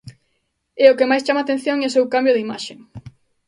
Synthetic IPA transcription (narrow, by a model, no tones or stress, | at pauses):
ɛokemajst͡ʃamat̪ẽn̟θjõŋeosewkambjoðimaʃe